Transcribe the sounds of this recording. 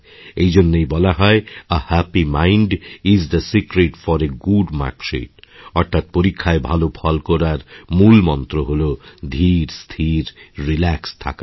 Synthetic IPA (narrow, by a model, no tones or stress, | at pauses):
ejd͡ʑonːejbɔlaɦɔeəhæpimajɳɖizd̪əsikɾeʈfɔɾeɡuɖma̰ɾkʃḭʈɔɾt̪ʰat̪̚poɾikʰːaebʱalopʰɔlkɔɾaɾmulmɔnt̪ɾoɦolod̪ʱiɾst̪ʰiɾːilɛkst̪ʰa̰ka